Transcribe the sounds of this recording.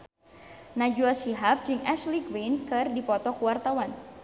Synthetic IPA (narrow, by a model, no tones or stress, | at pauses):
nad͡ʒuasiɦap̚d͡ʒɨŋʔɛsliɡwenkɨrdipɔt̪ɔkuwart̪awan